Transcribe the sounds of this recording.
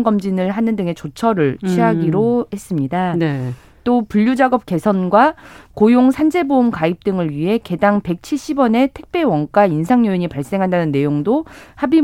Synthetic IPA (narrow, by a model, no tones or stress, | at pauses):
ŋɡʌmd͡ʑinɯɭɦanɯndɯŋe̞t͡ɕot͡ɕʰʌɾɯɭt͡ɕʰiɦaɡiɾohe̞s͈ɯmɲidane | t͈opuʎːud͡ʑaɡʌp̚k͈e̞sʰʌnɡwakojoŋsʰand͡ʑe̞boumkaip̚t͈ɯŋɯɭɥiɦe̞ke̞daŋpe̞k̚t͡ɕʰiɭɕ͈ʰibwʌne̞tʰek̚p͈ewʌnk͈ainsʰaŋjoiɲipaɭs͈e̞ŋɦandanɯnːe̞joŋdohabi